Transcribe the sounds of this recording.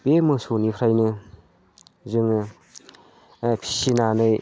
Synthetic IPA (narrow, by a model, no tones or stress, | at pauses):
bemɯsonipʰɾajnɯ | zɯŋ | pʰi̥sinanɯj